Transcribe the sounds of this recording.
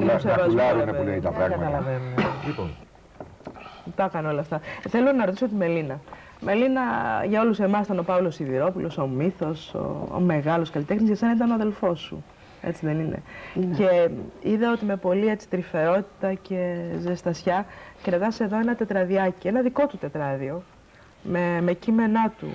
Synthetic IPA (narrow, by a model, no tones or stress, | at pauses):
t̪usevɐzzneulet̪ɐpɾɐ̰ɣkɐt̪ɐlɐvenuelipo̰n | t̪ɐkɐno̞lɐft̪ɐθe̞lonɐɾot̪iso̞t̪̬ime̞linɐ | me̞linɐʝɐo̞lusemɐsit̪ɐnopɐvlo̞siðiɾo̞pulo̞somiθo̞so̰ːme̞ɣɐlo̞skɐlit̪e̞xnizʝɐsenɐit̪ɐnoɐðe̞lfo̞sṵ | et͡siðe̞nine̞̰ce̞iðeo̞t̪ime̞po̞lie̞t͡si̥t̪ɾife̞ɾo̞t̪i̥t̪ɐce̞zest̪ɐsçɐkɾɐt̪ɐse̞ðo̞e̞nɐt̪e̞t̪ɾɐðiɐcie̞nɐðiko̞t̪ut̪e̞t̪ɾɐðio̞ | meme̞cime̞nɐt̪ṵ